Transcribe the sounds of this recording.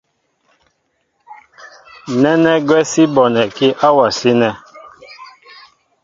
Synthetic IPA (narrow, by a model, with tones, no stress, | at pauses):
nɛ˦nɛ˦ɡwɛ˦si˦bɔ˨nɛ˨ki˦ʔa˦wa˨si˦nɛ˦